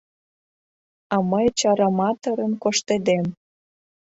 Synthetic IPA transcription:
ɑməjt͡ɕɑɾɑmɑt̪əɾə̆mkoʃt̪ed̪em

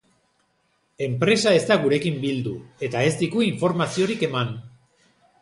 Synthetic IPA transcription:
e̞mpɾe̞sae̞st̪aɣuɾe̞kimbild̪ue̞t̪ae̞st̪ikuiɱfo̞ɾmasio̞ɾike̞man

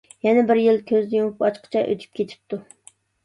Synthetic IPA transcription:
jɛnɛbɪɾjilkʲʰøzd̪ɪjomupɑt͡ʃqʰə̥t͡ʃʰɛʔø̰t̪ʰy̥p̚kʲʰet̪ʰɪ̥p̚t̪u

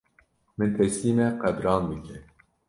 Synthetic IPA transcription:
mɨnt̪ʰɛsiːmɛqæbɾɑːnd̪ɨkʲʰɛ

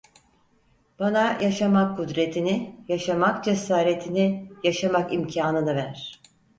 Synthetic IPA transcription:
b̥anajʔaʃamakʰːud̪ɾe̞t̪ʰinijaʃamakd͡ʒesaːɾe̞t̪ʰinijaʃamakimcʰaːnɯnɯvæɾ̥

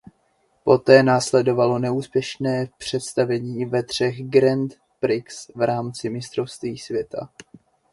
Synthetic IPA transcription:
po̞t̪ɛːnaːslɛdo̞valo̞nɛuːspjɛʃnɛːpr̝̥ɛt̪st̪avɛɲiːvɛt̪r̝̥ɛxɡɾɛnt̪ | pɾɪksvɾaːmt͡sɪmɪst̪ɾo̞fst̪viːsvjɛt̪ʰa̰

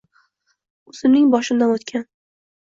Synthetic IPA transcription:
ʊzɪmnɪŋbɒʃɪnd̪anot̪kʲʰan

